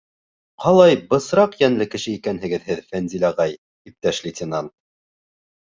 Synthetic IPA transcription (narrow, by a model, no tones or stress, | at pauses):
qɑlˠɑjbɤ̆sɾɑqjænlɘkɘ̆ʃɘikænɦɘ̆ɡɘðɦɘðfænzilʲɑʁɑj | ip̚t̪æʃlʲɪtʲɪnɑnt̪̚